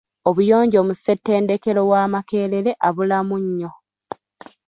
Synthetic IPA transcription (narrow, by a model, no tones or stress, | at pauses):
oβujo̞ːɲɟoːmuse̞tːe̞ːnde̞ke̞ɾo̞waːmake̞ːɾe̞ɾe̞ʔaβulamuɲːo̞